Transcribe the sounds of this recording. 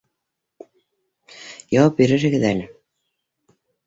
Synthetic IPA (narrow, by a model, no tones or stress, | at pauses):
jɑwpiɾɘ̆ʃɘ̆ɡɘ̆ðænɘ